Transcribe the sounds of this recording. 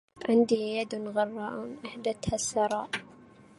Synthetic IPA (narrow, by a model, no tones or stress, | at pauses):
ʕɪnd̪ijad̪nɣɑrˤːɑʔuːnʔaħd̪at̪hasːɑɾˤɑːʔ